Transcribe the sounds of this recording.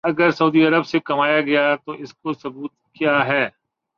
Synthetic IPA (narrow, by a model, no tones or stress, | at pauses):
ɐɡəɾsɐuːd̪iɐɾəbsekɐmaːjaɡɐjat̪oʔɪskosɐbuːt̪̚kijaːɦɛː